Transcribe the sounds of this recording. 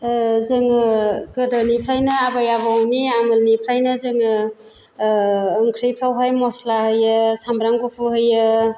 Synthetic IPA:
zɯŋɡɯdanipʰɾajnɯabajabawniamɯlnipʰɾajnɯzɯŋɯ | ɯŋkʰɾijpʰɾawɦajmɔslahɯjɯsambɾaŋɡopʰɯɦɯjɯ

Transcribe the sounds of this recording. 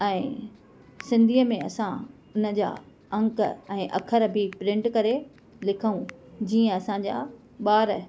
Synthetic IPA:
ɛ̃ː | sɪ̃nd̪ʱiːəmẽɐsã | ʊnə̆d͡ʑa̰ː | ɐ̃ŋkɛ̃ːʔɐ̰kʰəɾbʱɪpɾɪ̃ɳʈkɐɾe | lɪkʰəũd͡ʑiːə̃ɐsãd͡ʑa̰ː | ɓaːɾ

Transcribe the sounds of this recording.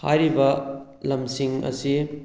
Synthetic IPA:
ha̰jɾibɐ | lɐmsiŋɐ̰si

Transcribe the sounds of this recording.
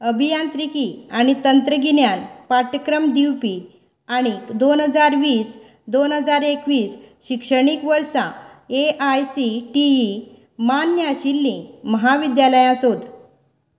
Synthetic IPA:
əbʱijant̪ɾikiaɽ̃it̪ənt̪ɾəɡinjanpaʈəkɾəmd̪iwpi | aɽ̃id̪onɦəd͡zaɾʋiːs | d̪onɦəd͡zaɾekʋiːsɕikʂəɽ̃ikʋəɾsa̰eʔajsiʈii | manjaɕilːĩməɦaʋid̪jaləjãsod̪

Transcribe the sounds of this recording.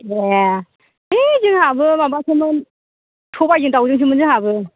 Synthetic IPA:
e | ezɯŋhabɯmabasʰɯmɯn | tʰɔpajzɯŋtawzɯŋs̬ʰɯŋmɯnzɯŋhabɯ

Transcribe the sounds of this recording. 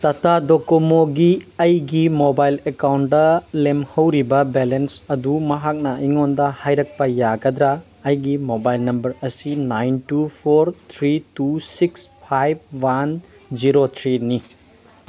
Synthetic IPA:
t̪ɐtadokomoɡiɐjɡimobajlekawn̚dɐlemhɐwɾibɐbelensɐdumɐɦak̚nɐiŋondɐhajɾɐk̚pɐjaɡɐd̪ɾaː | jɡimobajlnɐmbɐɾɐsinajntupʰoɾt̪ʰɾitusikspʰajb̚wan | d͡ʒiɾot̪ʰɾini

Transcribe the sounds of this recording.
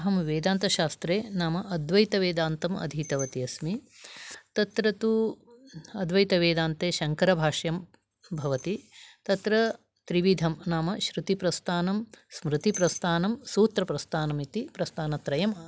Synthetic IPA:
ɦɐmʋeːd̪aːnt̪ɐʃaːst̪ɾeːnaːmɐʔɐd̪ʋɐjt̪ɐʋeːd̪aːnt̪ɐmɐ̰d̪ʱiːt̪ɐʋɐt̪iɐsmi | t̪ɐt̪ɾɐt̪u | ɐd̪ʋɐjt̪ɐʋeːd̪aːnt̪eːʃɐŋkɐɾɐbʱaːʂjɐm | bʱɐʋɐt̪it̪ɐt̪ɾɐ | t̪ɾiʋid̪ʱɐmnaːmɐʃɾut̪ipɾɐst̪ʰaːnɐmsmɾɨt̪ipɾɐst̪ʰaːnɐmsuːt̪ɾɐpɾɐst̪ʰaːnɐmit̪ipɾɐst̪ʰaːnɐt̪ɾɐjɐm

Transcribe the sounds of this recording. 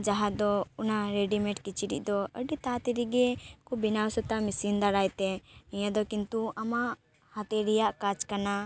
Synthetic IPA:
d͡ʒaɦad̪ɔunaɾeɖimɛ̃ʈkit͡ʃiɖḭʔ̚d̪ɔəɖit̪at̪iɾiɡɛkubinawsɔt̪amisind̪aɽajt̪ɛiɲad̪ɔkint̪uamaʔ | hat̪ɛɾijaʔkat͡ʃkana

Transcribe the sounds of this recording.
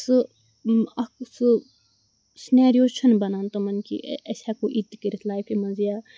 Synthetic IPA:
sɨ | ɐksɨ | sneːɾjoːt͡ʃʰɐnbɐnaːnt̪omɐnkḭɐsakoʔit̪kiɾit̪ʰlaːjpʰimɐzija

